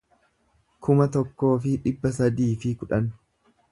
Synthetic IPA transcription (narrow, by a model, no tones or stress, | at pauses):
kʰʊmɐt̪ɔkːo̞ːfɪᶑɪbːɐs̬ɐd̪iːfɪkʊᶑɐn